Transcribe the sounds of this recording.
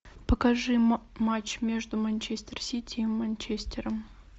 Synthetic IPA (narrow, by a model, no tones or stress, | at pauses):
pəkɐʐɨmat͡ɕmʲe̞ʐd̪ʊmɐnʲt͡ɕesʲtʲersʲitʲiːmːɐnʲt͡ɕesʲtʲɪɾəm